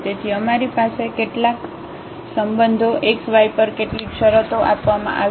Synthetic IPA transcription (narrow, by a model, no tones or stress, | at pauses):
t̪et̪ʰiəmaɾipasekeʈlak | səmbənd̪ʱoʔeksʋajpəɾkeʈlikʃəɾət̪oʔapʋamã̰ʔa